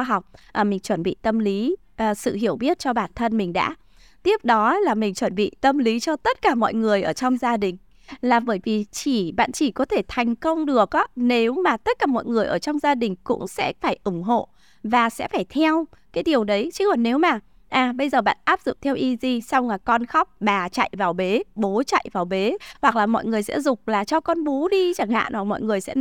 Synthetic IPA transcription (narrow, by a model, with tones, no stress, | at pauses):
ɦa˨˩wk͡p̚ʔaː˨˩mï˨˩ŋ̟t͡ɕwə˧˩nɓḭ˧˨t̪ə˧mli˨˦ | ʔsɨ̰˧˨ɦi˧˩əwɓi˦˥ət̚t͡ɕɔ˧ɓaː˧˩nt̪ʰə˧nmï˨˩ŋ̟ɗa̰ː˧˥ | t̪i˦˥əp̚ɗɔ˨˦laː˨˩mï˨˩ŋ̟t͡ɕwə˧˩nɓḭ˧˨t̪ə˧mli˨˦t͡ɕɔ˧t̪ə˦˥t̚kaː˧˩mɔ̰˧˨jŋɨ˨˩əjʔəː˧˩t͡ɕɔ˧wŋ͡mzaː˧ɗï˨˩ŋ̟ | laː˨˩ɓəː˧˩jvi˨˩t͡ɕi˧˩ɓa̰ː˧˨nt͡ɕi˧˩kɔ˨˦t̪ʰe˧˩t̪ʰa˨˩jŋ̟kə˧wŋ͡mɗɨ˨˩ək̚ʔaː˨˦ne˨˦wmaː˨˩t̪ə˦˥t̚kaː˧˩mɔ̰˧˨jŋɨ˨˩əjʔəː˧˩t͡ɕɔ˧wŋ͡mzaː˧ɗï˨˩ŋ̟kʊ̰˧˥ŋ͡msɛ̰˧˥faː˧˩jʔʊ˧˩ŋ͡mɦo̰˧˨ | vaː˨˩sɛ̰˧˥faː˧˩jt̪ʰɛ˧wkaː˨˦jɗi˨˩əwɗə˨˦jt͡ɕɨ˧˦hɔ˨˩ne˨˦wmaː˨˩ | ʔaː˨˩ɓə˧jzəː˨˩ɓa̰ː˧˨nʔaː˦˥p̚zʊ̰˧˨ŋ͡m̚t̪ʰɛ˧wʔi˧zi˧sa˧wŋ͡mlaː˨˩kɔ˧nxɔ˦˥wk͡p̚ɓaː˨˩t͡ɕa̰˧˨jvaː˨˩wɓe˨˦ɓo˨˦t͡ɕa̰˧˨jvaː˨˩wɓe˨˦hwa˨˩k̚laː˨˩mɔ̰˧˨jŋɨ˨˩əjsɛ̰˧˥zʊ˨˩k͡p̚laː˨˩t͡ɕɔ˧kɔ˧nɓo˨˦ɗi˧t͡ɕaː˧˩ŋha̰ː˧˨nʔɔ˨˩mɔ̰˧˨jŋɨ˨˩əjsɛ̰˧˥